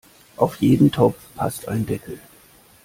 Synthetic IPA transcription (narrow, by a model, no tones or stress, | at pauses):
ʔaʊfjeːdn̩tʰɔp͡fpʰa̰sta̰ɪndɛkl̩